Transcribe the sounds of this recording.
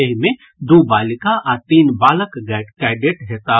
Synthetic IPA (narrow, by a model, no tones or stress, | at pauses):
eɦmẽ | d̪ubaːlɪkãʔaɾt̪iːnbaːləkkaɪɖeːʈɦɛt̪a